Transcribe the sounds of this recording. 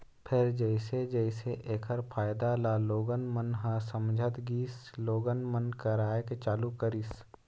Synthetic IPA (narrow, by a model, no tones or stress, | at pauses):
pʰɪɾd͡ʒəɪsed͡ʒɛɪseʔeːkʰəɾpʰaːjd̪alaːloːɡənmənɦãsəmd͡ʒʱət̪ɡiːsloːɡənmənkəɾaːeket͡ʃaːlukəɾis